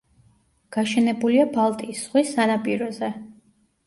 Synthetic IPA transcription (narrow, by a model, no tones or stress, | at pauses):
ɡ̥aʃɛnɛbuliabalˠt̪ʼiːsʁwisanapʼiɾɔzɛ